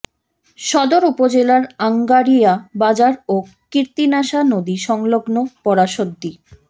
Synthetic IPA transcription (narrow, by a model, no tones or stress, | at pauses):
ʃɔd̪oɾupod͡ʑelaɾaŋɡaɾijabad͡ʑaɾo | kiɾt̪inaʃanod̪iʃɔŋloɡnopɔɾaʃod̪ːi